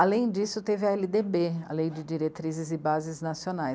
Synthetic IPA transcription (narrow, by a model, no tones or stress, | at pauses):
alẽj̃d͡ʒisʊt̪evɪaɛlid̪ebea̰lejd͡ʒɪd͡ʒiɾet̪ɾizɪzɪbazɪznasionaj